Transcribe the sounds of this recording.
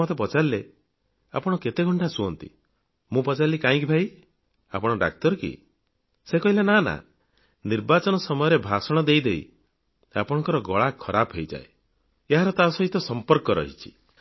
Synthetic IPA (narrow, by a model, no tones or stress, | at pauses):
ɔt̪epɔt͡ʃalile | a̰pɔɽ̃ɔket̪eɡʱɔɳʈʰasuɔnt̪ḭ | mũpɔt͡ʃalːikaĩkibʱaj | a̰pɔɽ̃ɔɖa̰k̚t̪ɔɾɔkḭ | sekɔɦilenana̰ | niɾbat͡ʃɔnɔsɔmɔjɔɾebʱasɔɽ̃ɔd̪ejd̪eḭ | a̰pɔɽ̃ɔ̃ŋkɔɾɔɡɔɭakʰːɔɾabɦejd͡ʒa̰e | eɦaɾɔt̪asɔɦit̪ɔsɔmpɔɾkɔɾɔ̰ɦit͡ʃʰi̥